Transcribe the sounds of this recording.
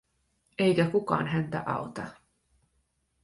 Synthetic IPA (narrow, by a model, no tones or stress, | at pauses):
ʔejkækukɑ̰ːnɦænt̪æ̰ʔɑ̰ot̪ɑ